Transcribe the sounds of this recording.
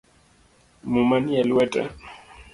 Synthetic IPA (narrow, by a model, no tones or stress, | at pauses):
mumanijalɪwɛtʼa̰